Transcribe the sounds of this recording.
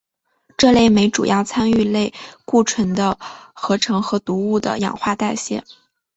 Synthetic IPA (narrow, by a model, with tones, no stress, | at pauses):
ʈ͡ʂɤ˥˧le˥˩ɪme˧˥ɪʈ͡ʂṵ˨˩jɑ˥˩ʊt͡sʰa˥ny˥˧le˥˧ɪku˥˩ʈ͡ʂʰwə˧˥nd̪ə˧xɤ˧˥ʈ͡ʂʰɤ˧˥ŋxɤ˧˥t̪u˧˥u˥˩d̪ə̰˩jɑ̰˨˩ŋxwa˥˧t̪a˥˧ɪɕjɛ̰˥˩